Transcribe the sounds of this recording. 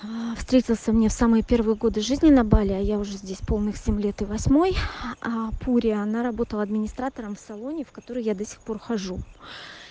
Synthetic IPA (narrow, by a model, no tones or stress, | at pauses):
fst̪ɾʲetʲɪlˠsʲəmnʲe̞fsamɨjəpʲe̞rvɨjəɡo̞d̪ɨʐɨzʲnʲɪnɐbalʲɪɐjaʊʐɛzʲdʲesʲpo̞lˠnɨxsʲemʲlʲe̞t̪ɨvɐsʲmo̞j | pʰuɾʲɪəɐnaɾɐbo̞t̪əlˠəɐd̪mʲɪnʲɪst̪ɾat̪əɾəmfsɐlˠo̞nʲɪfkɐt̪o̞ɾəjːad̪ɐsʲɪ̥xpo̞rxɐʐu